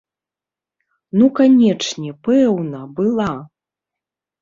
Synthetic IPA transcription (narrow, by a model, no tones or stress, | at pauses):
nukanʲɛt͡ʂnʲɛpɛwnɐbɨlˠa